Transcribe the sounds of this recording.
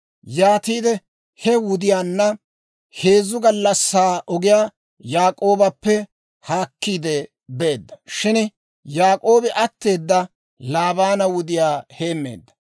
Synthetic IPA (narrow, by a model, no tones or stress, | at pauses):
jaːt̪iːd̪ɛ | hɛwʊd̪ɪjaːnːɐ | he̞ːzːʊɡɐlːɐsːaːʔɔɡɪjaː | jaːkʼo̞ːbɐpːɛ | haːkːiːd̪ɛ | beːd̪ːɐ̥ʃɪn | jaːkʼo̞ːbɪʔɐt̪ːe̞ːd̪ːɐ | laːbaːnɐwʊd̪ɪjaːhe̞ːmːe̞̰ːd̪ːɐ